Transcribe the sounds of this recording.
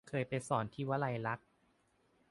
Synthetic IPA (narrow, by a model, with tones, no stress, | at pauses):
kʰɤː˧jpa˧jsɔː˩˦nt̪ʰiː˥˩wa˦˥la˧jɾa˦˥k̚